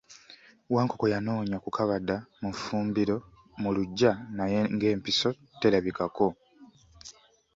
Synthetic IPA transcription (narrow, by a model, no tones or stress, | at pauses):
waːŋko̞ko̞janoːɲakukʰaβadːamufuːmbiɾo̞ | muluɟːanajŋɡe̞ːmpiso̞ | telaβikako̞